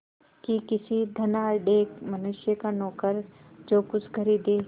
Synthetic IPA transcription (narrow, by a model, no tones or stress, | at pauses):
kikɪsid̪ʱɐnaːlɖeːkmɐnʊʃjəkanɔːkəɾ | d͡ʒoːkʊt͡ʃʰɡʱɐɾid̪eː